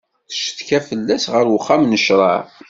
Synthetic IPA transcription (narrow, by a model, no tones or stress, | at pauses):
θə̥ʃt̪kæfəlːæsʁəɾwəχːamnəʃɾˤɑ̰ʕ